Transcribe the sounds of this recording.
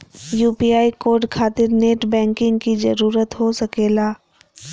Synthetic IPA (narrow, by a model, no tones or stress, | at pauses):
juːpiːaːikoːɾɖkʰaːt̪ɪɾneːʈbɛ̃ːŋkɪ̃ŋɡkizɐɾuːɾət̪ɦosɐkeːlaː